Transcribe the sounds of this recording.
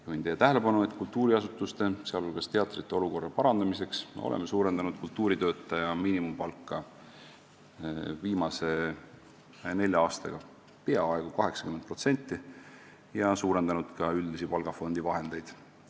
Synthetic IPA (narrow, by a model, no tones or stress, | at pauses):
juhint̪ejːet̪æɦele̞pɑnue̞t̪ˑkult̪ːuːɾiɑsut̪ːˑust̪e̞seɑlolɡ̥ɑst̪e̞ɑt̪ˑrit̪ːˑe̞o̞luko̞rːɑpɑɾɑnd̪̥ɑmise̞kso̰lḛmːesuːɾe̞nd̪̥ɑnud̪̥̚kult̪ːuːɾit̪ø̞ːt̪ˑːɑjɑmiːnimumpɑlkˑːɑ | viːmɑse̞ | ne̞lʲjɑɑːst̪ɑ̰ɡ̥ɑ | pe̞ɑɑeɡ̥ukɑɦe̞ksɑkymen̚pro̞t̪se̞nʲt̪ːˑi | jɑsuːɾe̞nd̪̥ɑnud̪̥kɑyld̪isipɑlɡɑfo̞nd̪ivɑɦe̞nd̪e̞jd̪̥